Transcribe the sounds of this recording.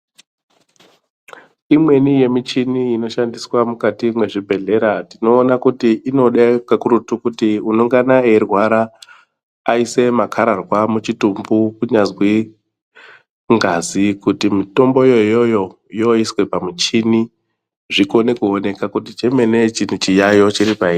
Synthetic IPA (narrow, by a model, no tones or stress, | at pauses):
imwe̞nije̞mit͡ʃiniino̞ʃandiswamukatimwe̞ʐibʱe̞ɮe̞ɾatino̞ːnakutiʔino̞ɗakakuɾutukutiunoŋɡanae̞rwaɾaː | ise̞makʰaɾarwamut͡ʃitumbukuɲazwi | ŋɡazikutimito̞mbo̞jojo̞jo̞ | jo̞iswepamit͡ʃini | ʐiko̞ne̞kuone̞kakutit͡ʃe̞me̞ne̞t͡ʃin̤ut͡ʃijajo̞t͡ʃiɾipaiːri